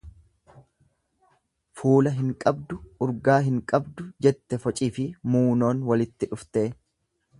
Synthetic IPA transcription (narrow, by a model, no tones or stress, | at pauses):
fuːlɐɦɪŋkʼɐbd̪ʊʊɾɡaːɦɪŋkʼɐbd̪ʊd͡ʒɛt̪ːɛfɔt͡ʃʼiːfɪmuːno̞ːnwɐlɪt̪ːɪᶑʊft̪e̞ː